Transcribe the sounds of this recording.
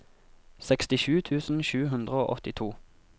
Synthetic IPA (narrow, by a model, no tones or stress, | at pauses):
sɛkst̪ɪʃʉːt̪ʰʉːsn̩ʃʉːɦʉnd̪ʁəoːʔɔt̪ɪt̪ʰuː